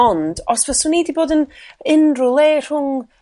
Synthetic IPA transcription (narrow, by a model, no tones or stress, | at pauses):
ɔnd̥ɔsvɛsʊnidiboːdənɪnrʊlˠeːr̥hʊŋ